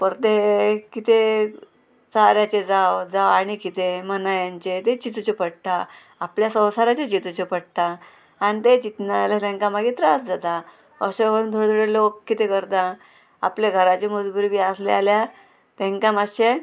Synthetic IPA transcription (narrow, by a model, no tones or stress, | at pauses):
pəɾt̪ekit̪e | saɾjat͡ɕed͡zawd͡zawaɽ̃ikit̪emənajaɲt͡ɕet̪et͡ɕit̪ut͡ɕepəɽt̪a | apljasə̃w̃saɾat͡ɕet͡ɕit̪ut͡ɕepəɽt̪a | anit̪et͡ɕit̪nalalẽŋkamaɡit̪ɾasd͡zat̪a | ə̰ɕekəɾuːnd̪ʱoɽd̪ʱoɽelokkːit̪ekəɾt̪ã | a̰pleɡʱəɾat͡ɕemud͡zbuɾbiaslealja | t̪ẽŋkamaɕe